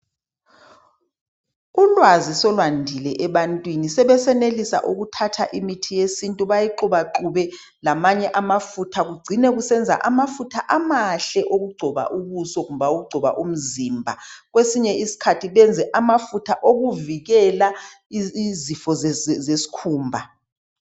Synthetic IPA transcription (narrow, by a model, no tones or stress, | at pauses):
ulwazisɔlwandʱilɛʔɛβantʼwinisɛβɛsɛnelisa̰ʔuɣutʰatʰaʔimitʰijesintʼuβajiǃuβaǃuβɛ | lamaɲɛʔamafutʰaɣuɡ͡ǀʱinɛɣusɛnd͡zʱa̰ʔamafutʰaʔamaɬɛʔoɣuɡ͡ǀʱɔβa̰ʔuβusɔɣumβaoɣuɡ͡ǀʱɔβa̰ʔum̩ziːmbʱa̰ɣwesiɲɛisi̥kʰatʰiβɛnd͡zʱɛʔamafutʰaʔoɣuviɣɛla | izifɔzzesi̥kʰuːmbʱa